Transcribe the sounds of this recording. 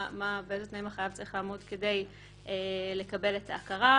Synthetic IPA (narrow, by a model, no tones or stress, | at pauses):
mabeezet̪naimaχajavt͡sɐʁiχlaːmodke̞de̞j | ʔele̞kabe̞letʰaːkaʁa